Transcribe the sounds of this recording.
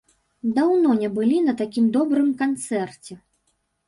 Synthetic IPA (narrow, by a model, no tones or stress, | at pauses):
d̪awnɔnʲɛbɨlʲinɐt̪akʲimd̪ɔbɾɨmkant̪sɛrt͡sʲɛ